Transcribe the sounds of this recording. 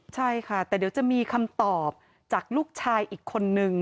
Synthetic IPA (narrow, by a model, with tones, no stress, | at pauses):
t͡ɕʰa˥˩jkʰa˥˩t̪ɛː˨˩di˩˦wt͡ɕa˨˩miː˧kʰa˧mt̪ɔː˨˩p̚ | t͡ɕaː˨˩k̚luː˥˩k̚t͡ɕʰaː˧jʔiː˨˩kʰːo˧nːɯ˧ŋ